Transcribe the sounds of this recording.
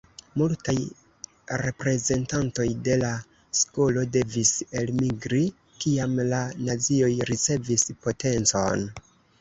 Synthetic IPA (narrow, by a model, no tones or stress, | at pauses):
multaj | ɾe̞pɾe̞ze̞ntanto̞jde̞la | sko̞lo̞de̞vise̞lmiɡɾi | kiamlanat͡sio̞jɾit͡se̞vispo̞te̞nt͡so̞̰n